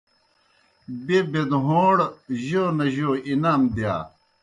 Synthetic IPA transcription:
bebed̪ɦoːɽʑoːnɐʑoːinaːmd̪ja̰ː

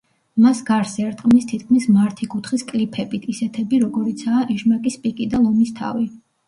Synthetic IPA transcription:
masɡaɾsɛɾt̪ʼqʼmist̪ʰit̪̚ʰkʰmismaɾt̪ʰikʼut̪ʰχiskʼlipʰɛbit̪ʰisɛt̪ʰɛbiɾɔɡɔɾit̪sʰaːʔɛʃmakʼispʼikʼid̪alˠɔmist̪ʰa̰vi

